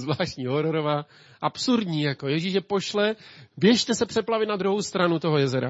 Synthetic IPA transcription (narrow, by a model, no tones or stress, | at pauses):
zvlaːʃtɲiːɦoɾoɾovaː | ʔapsuɾdɲiːjako̞jɛʒiʃjɛpo̞ʃlɛvjɛʃt̪ɛsɛpr̥ɛplavɪt̪nad̪ɾuɦowst̪ɾanut̪o̞ɦojɛzɛɾa̰